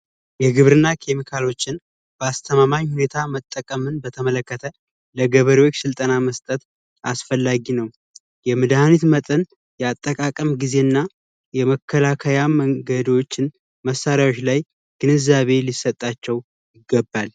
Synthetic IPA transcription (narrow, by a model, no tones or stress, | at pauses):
jɛɡɨβɾɨnːakʰe̞mikʰalo̞t͡ʃːɪn | b̥əast̪ʰəmamaɲːhune̞t̪ʰamət̪ʼːəkʼəmɨnbət̪ʰəmələkːət̪ʰə | ləɡəβəɾiwot͡ʃːsɨlt̪ʼənaməst̪ʼət̪ | ʔa̰sfəlːaɡinəw | jɛmɨd̪ahanit̪mət̪ʼən | jɛat̪ʼːəkʼakʼəmɡize̞nːa | jɛməkʰːəlakʰəjaməŋɡəd̪wo̞t͡ʃːɪn | məsːaɾjawot͡ʃːlaj | ɡ̥ɨnɨzaβe̞lisːət̪ʼːat͡ʃːɛw | jɪɡːəbːal